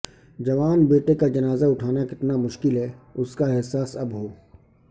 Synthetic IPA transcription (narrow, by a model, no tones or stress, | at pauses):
d͡ʒɐʋaːnbeːʈekad͡ʒɐnaːzaʊʈʰaːnakɪt̪namʊʃkɪlɦɛːʊskaɪɦsaːsɐbɦoː